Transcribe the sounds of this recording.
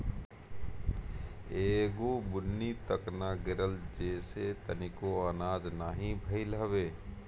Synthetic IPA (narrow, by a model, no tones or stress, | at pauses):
eːɡoːbʊnːit̪əknaɡɪɾəld͡ʒeːset̪ənɪkoaːnaːd͡ʒnaːɦĩbʱəɪlɦəʋeː